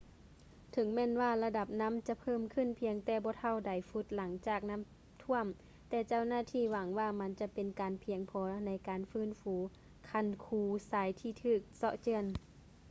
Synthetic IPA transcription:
t̪ʰɤ˨˦ŋmɛː˧˥˨nwaː˧˩la˧da˧˩p̚na˧˥˨mt͡ɕa˧˦pʰɤː˧˥˨mkʰɯ˧˥˨npʰi˧əŋt̪ɛː˧˩bɔː˧˦t̪ʰa˧˩˨wda˨˩jfu˧˦t̪̚la˨˦ŋt͡ɕaː˨˩k̚na˧˥˨m | t̪ʰu˧˥˨əm | t̪ɛː˧˩t͡ɕa˧˥˨wnaː˧˥˩t̪ʰiː˧˩wa˨˦ŋwaː˧˩ma˧˥nt͡ɕa˧˥pe˨nkaː˨npʰi˨˧əŋpʰɔː˨˦na˧˥jkaː˨nfɯː˧˥˨nfuː˨˦ | kʰa˧˥˨nkʰuː˧saː˨˦jt̪ʰiː˧˩t̪ʰɯː˧˩k̚sɔ˧ʔt͡ɕɯ˧˨ən

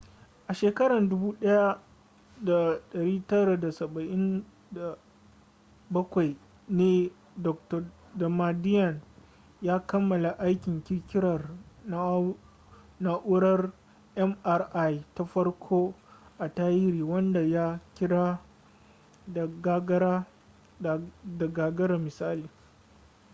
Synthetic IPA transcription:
ʔa˨ʃeː˨kɐ˦ɽɐ˨ndʊ˦buː˦ɗɐ˦ja˦ | da˨ɗɐ˨ɽiː˦tɐ˦ɽa˨da˨sɐ˨bɐ˨ʔɪ˦n | da˨ | bɐ˦kʷa˨j | neː˦ | dɔ˨k̚tɐ˨ | dɐ˨ma˨dɪ˦jɐ˨n | jaː˦kɐ˦mːɐ˨la˨ʔa˦jkʲɪ˨ŋkʲɪ˦kʲɪ˦ɾɐ˨r | na˦ʔʊ˦ɽɐ˦r | ʔɛ˦mʔa˨rʔa˦jta˦ɸɐ˦rkʷʰoː˦ʔa˨taː˦jɪ˦ɾiː˨wɐ˦nda˨ja˦kʲɪ˦ɽa˦ | da˨ɡa˦ɡɐ˦ɾa˦˨ | da˨ɡaː˨ɡɐ˦ɽa˨mɪ˨saː˦liː˨

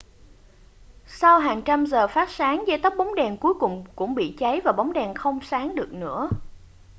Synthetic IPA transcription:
sa˧wɦaː˨˩ŋt͡ɕa˧mzəː˨˩faː˦˥t̚saː˨˦ŋza˧jt̪ə˦˥k͡p̚ɓa˨˦wŋ͡mɗɛ˨˩nku˨˦əjkʊ˨˩ŋ͡mkʊ̰˧˥ŋ͡mɓḭ˧˨t͡ɕa˨˦jvaː˨˩ɓa˨˦wŋ͡mɗɛ˨˩nxə˧wŋ͡msaː˨˦ŋɗɨ˨˩ək̚nɨ̰˧˥ə

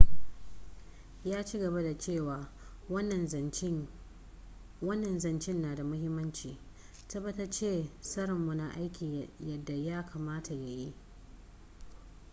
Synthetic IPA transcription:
jaː˦t͡ʃi˦ɡɐ˨ba˦da˨t͡ʃeː˦˨waː˨ | wɐ˦nːɐ˨n | wɐ˦nːɐ˨nzɐ˨nt͡ʃɪ˦nːaː˨da˨mʊ˦hɪ˦mːɐ˦nt͡ʃiː˨ | tɐ˦bːɐ˦tɐ˦t͡ʃeː˦sɐ˦ɽɪ˨mːʊ˨na˨ʔa˦jkʲiː˨jɐ˨dːa˨jaː˦kʰaː˨maː˦tʰa˨ja˦ji˦ʔ

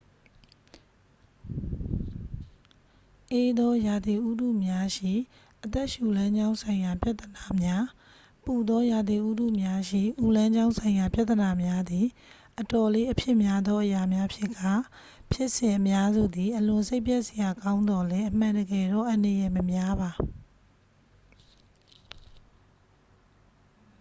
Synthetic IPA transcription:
ʔe˦d̪ɔ˦ja˨d̪i˨ʔu˦du˦˨mja˦ʃḭ˦˨ | ʔət̪ɛ˦ʔʃu˨lã˦ɲd͡ʑã˦ʊ̃nsʰã˨ɪ̃ja˨pja˦ʔt̪ːəna˨mja˦ | pu˨d̪ɔ˦ja˨d̪i˨ʔu˦dṵ˦˨mja˦ʃḭ˦˨ʔu˦˨lã˦ɲd͡ʑã˦ʊ̃sʰã˨ɪ̃ja˨pja˦ʔt̪ːəna˨mja˦d̪i˨ | ʔətɔ˨le˦ʔəpʰjɪ˦ʔmja˦d̪ɔ˦ʔəja˨mja˦pʰjɪ˦ʔka˦˨ | pʰjɪ˦ʔsɪ̃˨ʔəmja˦zṵ˦˨d̪i˨ʔəlʊ̃˨se˦ɪpjɛ˦ʔsə˨ja˨kã˦ʊ̃nd̪ɔ˨lɛ˦ʔəm̥ã˨ndəɡɛ˨ɾɔ̰˦˨ʔə̃˨nə˨jɛ˨məmja˦βa˨

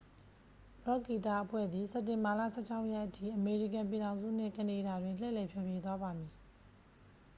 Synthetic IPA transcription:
bɹɔ˦˨ki˨ta˦˨ʔəpʰwɛ̰˦˨d̪ði˨sɛ˨tːɪ̃˨mba˨lä̰˦˨sʰɛ˦˨t͡ɕʰa˦ʊʔjɛ˦ʔətʰḭ˦˨ʔəme˨ɹi˦˨kã˨mp̬i˨ɾã˨ʊ̃nzṵ˦˨n̥ɪ̰̃˦˨kəne˨da˨dwɪ̃˨nl̥ɛ̰˦˨lɛ˨pʰjɔ˨bje˦˨t̪wa˦ba˨mi˨

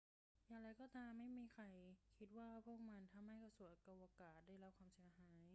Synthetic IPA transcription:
jaː˨˩ŋɾa˧jkɔː˧˩t̪aː˧mːa˥˩jmiː˧kʰa˧jkʰi˦˥t̪̚waː˥˩pʰu˥˩ək̚ma˧nt̪ʰa˧mha˥˩jka˧˩su˨˩˦ʔka˧˩waː˧kaː˨˩t̪̚daː˥˩jɾa˦˥p̚kʰwaː˧msi˨˩˦ɐhaː˩˦j

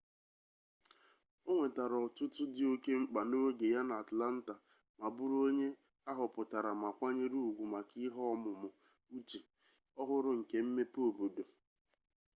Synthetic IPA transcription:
o˦ŋʷe˨ta˨ɾɔ˨tʊ˦tʊ˦dɪ˨o˦ke˦ŋ͡m̩˦k͡pa˨no˦ɡe˨ja˦na˨a˨tla˦n̩˦ta˨ | ma˨bʊ˦ɾo˦ɲe˦ | a˦ɦʊ˨pʊ˨ta˨ɾa˨ma˨kʷa˦ɲe˦ɾu˦u˨ɡʷu˨ma˨ki˦ɦɔ˦mʊ˨mʊ˨ | u˦t͡ʃi˨ | ɔ˦ɦʊ˦ɾʊ˦ŋ̩˨ke˨˦m̩˦me˦po˨bo˨do˨

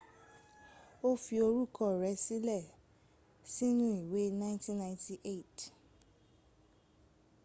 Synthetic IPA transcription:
o˦fi˧o˧ɾu˦kɔ˦˨ɾɛ˨˦si˦lɛ˦˨ | si˦nũ˦i˨we˨˦nã˦ɪ̃˦tĩ˦nːã˦˧j̃ti˧ʔe˦˨t

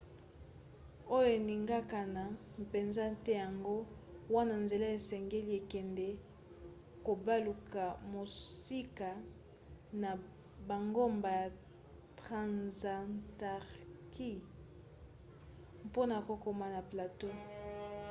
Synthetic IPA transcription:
o˦jo˦e˨ni˨ŋɡa˦ka˨na˨ | pe˨nza˦tɛ˦ja˨ŋɡo˦wa˦na˨nze˨la˦e˨sɛ˨ŋɡe˦li˦e˨kɛ˨ndɛ˦ | ko˨ba˦lu˨ka˨mo˨si˦ka˨ | na˨ | ba˨ŋɡo˦mba˨ja˨ | tʁa˨nza˨ta˨ʁkʰi˦ | po˦na˨ko˨ko˨ma˨na˨pla˨to˦

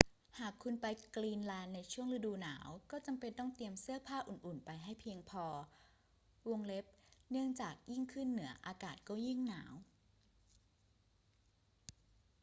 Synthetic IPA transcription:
haː˨˩kʰːu˧npa˧jkliː˧nlɛː˧nːa˧jt͡ɕʰu˥˩əŋɾa˧˥duː˧na̰ː˩˦wkɔː˥˩t͡ɕa˧mpe˧nt̪ɔ˥˩ŋt̪i˧əmsɯ˥˩əpʰaː˥˩ʔu˨˩nʔu˨˩npa˧jɦa˥˩jpʰiː˧əŋpʰɔː˧ | wo˧˥˧ŋle˦˥p̚nɯ˥˩əŋt͡ɕaː˨˩k̚ji˥˩ŋkʰɯ˥˩nːɯ˩˦ɐʔaː˧kaː˨˩t̪̚kɔː˥˩ji˥˩ŋnaː˩˦w

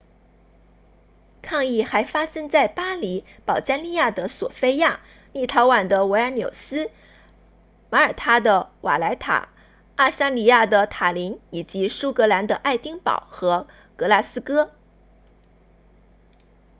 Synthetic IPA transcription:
kʰɑ˥˧ŋi˥˩xa˧˥ɪfa˥sə˥ŋt͡sa˥˩ɪpa˥li˧˥ | pɑ˨˩ʊt͡ɕa˥nli˥˧ja˥˩d̪ə˩swɔ̰˨˩fe˥ɪja˥˩ | ni˥˩t̪ʰɑ˧˥ʊwa˨˩nd̪ə˦we˧˥ɪə˧˥njo̰˨˩ʊsɹ̩˥ | ma˧˥ə˞˨˩t̪ʰa˥d̪ə˨wa̰˨˩la˧˥ɪt̪ʰa̰˨˩ | a˥˩ʂa˥nli˧˥˩ja˥˩d̪ə˩t̪ʰa˨˩li˧˥ŋi˨˩t͡ɕi˧˥ʂu˥kɤ˧˥la˧˥nd̪ə˧ʔa˥˩ɪt̪i˥ŋpɑ̰˨˩˦ʊxɤ˧˥ | kɤ˧˥la˥˩sɹ̩˥kɤ˥

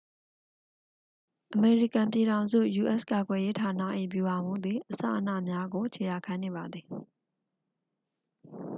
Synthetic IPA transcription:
ʔəme˨ɹi˦˨kã˨mpji˨ɾã˨ʊ̃nzṵ˦˨ju˨ʔɛ˦ska˨ɡwɛ˨je˦tʰa˨na̰˦˨ʔḭ˦˨bju˨ʔã˨m̥ṵ̃˦˨d̪ði˨ʔəsa̰˦˨ʔə˨nä̰˦˨mja˦ɡo˨t͡ɕʰe˨ja˨kʰã˦ne˨βa˨d̪ði˨

